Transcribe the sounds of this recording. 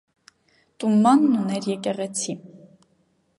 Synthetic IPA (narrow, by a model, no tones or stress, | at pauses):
t̪umːɑnːunɛɾjɛkɛʁɛt͡sʰi